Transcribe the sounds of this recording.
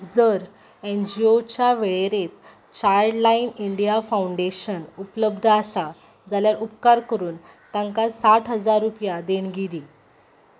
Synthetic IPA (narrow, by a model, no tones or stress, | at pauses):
d͡zəɾ | end͡ʑiot͡ɕjaʋeɭeɾet̪ | t͡ɕaɾɖlainiɳɖijafawuɳɖeɕənupləbd̪ʱəasa | d͡zaljalupkaɾkəɾuːnt̪aŋkasaʈɦəd͡zaɾːupjad̪eɳɡid̪i